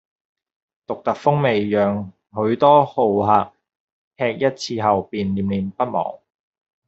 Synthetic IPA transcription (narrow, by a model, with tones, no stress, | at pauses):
t̪ʊ˨k̚t̪ɐ˨k̚fʊ˥ŋme˨jjœː˨ŋ | ɦɵ˨˧˥ɥt̪ɔː˥ho˨wɦaː˨k̚ | hɛː˧k̚jɐ˥t̚t͡sʰiː˧ɦɐ˨wpiː˨nliː˨˩mliː˨npɐ˥t̚mɔ̰ː˨˩ŋ